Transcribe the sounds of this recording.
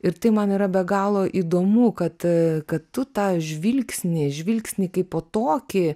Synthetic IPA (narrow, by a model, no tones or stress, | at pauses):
ɪɾt̪ɐɪmɐniːɾɐbʲɛɡɑːlˠoːʔiːd̪oːmukɐt̪kɐttːʊt̪ɑːʒʲʋʲilʲksʲnʲɪʒʲʋʲilʲksʲnʲiːkɐɪpːoːt̪oːkʲɪ